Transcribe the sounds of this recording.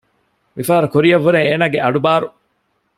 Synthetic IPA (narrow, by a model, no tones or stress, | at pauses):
ʋifaːɾɐkuɾijɐʋːuɾeŋeːnaːɡeʔɐɖubaːɾu